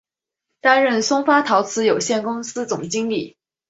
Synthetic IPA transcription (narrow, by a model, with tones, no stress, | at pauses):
t̪a˥nɻə˥˩nsʊ˥ŋfa˥t̪ʰɑ˧˥ʊt͡sʰɹ̩˧˥jo˨˩ʊɕjɛ˥˩nkʊ˥ŋsɹ̩˥t͡sʊ˨˩ŋt͡ɕi˥ŋli˥˩